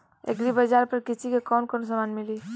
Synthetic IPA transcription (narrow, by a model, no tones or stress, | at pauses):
ḛkɾibəd͡ʒaːɾpəɾkɪsikekɔːnkɔːns̬əmaːnmɪli